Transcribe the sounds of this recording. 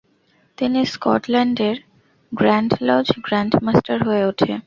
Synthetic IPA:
t̪iniskɔʈlɛɳɖeɾ | ɡɾaɳɖlad͡ʑɡɾaɳɖmasʈaɾɦoeoʈʰe

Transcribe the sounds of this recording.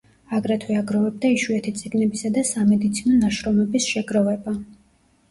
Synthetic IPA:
aɡɾɛt̪ʰwɛaɡɾɔvɛb̚d̪aiʃuɛt̪ʰit̪sʼiɡnɛbisad̪asamɛd̪it̪sʰinɔnaʃɾɔmɛbisʃɛɡɾɔvɛba

